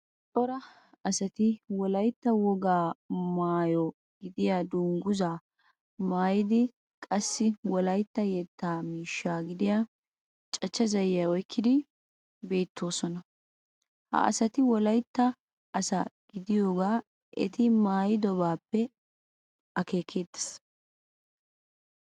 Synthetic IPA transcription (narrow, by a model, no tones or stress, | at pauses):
t̪ʼɔɾɐ | ɐsɐt̪ɪwɔlɐjt̪ːɐwɔɡaːmaːjɔ | ɡ̥ɪd̪ɪjaːd̪uːŋɡʊzaː | maːjɪd̪ɪ | kʼɐsːɪwɔlɐjt̪ːɐjɛt̪ːaːmiːʃːaːɡɪd̪ɪjaː | t͡ʃʼɐt͡ʃːɐzɐjjaɔjkːɪd̪ɪ | be̞ːt̪ʰːo̞ːsɔnɐ | hɐ̰ʔɐ̰sɐt̪ɪwɔlɐjt̪ːɐː | sɐɡ̥ɪd̪ɪjo̞ːɡaː | ʔɛ̰t̪ɪmaːjɪd̪ɔbaːpːɛ | ɐke̞ːkʰe̞ːd̪ːɐ̥s